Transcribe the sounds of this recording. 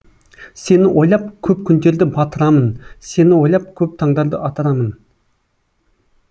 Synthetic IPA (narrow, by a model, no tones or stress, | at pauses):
senɪʔojlˠɑp̚kʲʰøpkʲʰynt̪eɾd̪ɪbɑt̪ʰəɾɑmɨnsenɪwojlˠɑp̚kʲʰøp̚t̪ʰɑŋd̪ɑɾd̪əʔɑt̪ʰəɾɑmɨn